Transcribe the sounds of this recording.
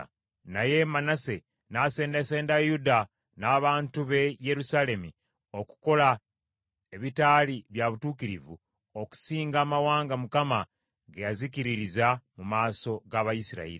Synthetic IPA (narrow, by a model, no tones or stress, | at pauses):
naje̞manase̞ | nase̞ːndese̞ːndajuda | naːβaːntuβe̞je̞ɾusale̞mi | o̞ku̥ko̞la | eβitaːliβjaβutuːkiɾivṵ | o̞ku̥siːŋɡaːmawaːŋɡamukama | ɡejazikiɾiɾizamumaːso̞ɡaβajisiɾa̰ḭɾi